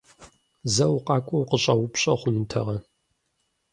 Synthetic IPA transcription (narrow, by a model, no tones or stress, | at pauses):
zɐwqɑːkʷʼɔwqəɕʼɐwʊpɕʼɐχʷʊnɨtʰɐ̰ʁɐ